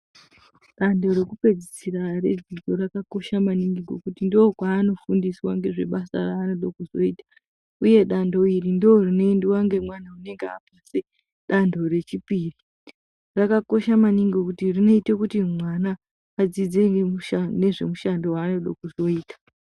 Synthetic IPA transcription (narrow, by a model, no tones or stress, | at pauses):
ɗando̞ɾe̞kupe̞d͡zisirare̞̰d͡ziɡo̞ɾakako̞ʃamaniŋɡiŋɡo̞̰kutindookwaːno̞fundiswaŋɡe̞ʐe̞̰ɓasa̰raːno̞ɗokuzo̞̰iːtḁ | uje̞ɗando̞irindoorino̞endiwaŋɡe̞mwanaune̞ŋɡea̰pase | ɗandʱo̞re̞t͡ʃipiːri | rakako̞ʃamaniŋɡokutirino̞itekutimwanaː | d͡zid͡ze̞ŋɡuʃane̞ʐe̞muʃando̞waːno̞ɗokuzo̞iːtḁ